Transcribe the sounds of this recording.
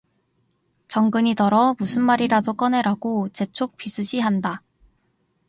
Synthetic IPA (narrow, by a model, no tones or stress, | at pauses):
t͡ɕʌŋɡɯɲitʌɾʌmusʰɯnmaɾiɾadok͈ʌne̞ɾaɡot͡ɕe̞t͡ɕʰok̚p͈isʰɯɕʰiɦanda